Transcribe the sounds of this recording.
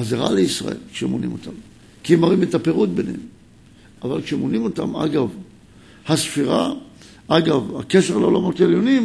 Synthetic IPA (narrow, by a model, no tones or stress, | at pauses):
azeʁa̰leisʁa̰ʔe̞̰lkʃeemonḭmo̞tam | kiemaʁimetapeʁut̚be̞nem | ʔavalkʃeemonimo̞ta̰ma̰ɡav | hasfiʁa̰ | aɡavhake̞ʃeʁleolamo̞teljo̞nim